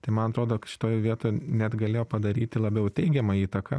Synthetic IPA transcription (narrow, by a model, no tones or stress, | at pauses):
t̪ɐɪmɐnɐt̪ɾoːd̪oːkʃʲɪ̥t̪oːjʋʲiɛt̪oːjnʲɛd̪ɡɐlʲeːjoːpɐd̪ɐɾʲiːt̪ʲɪlˠɐbʲɛʊt̪ʲɛɪɡʲɛmɐiːt̪ɐkɐ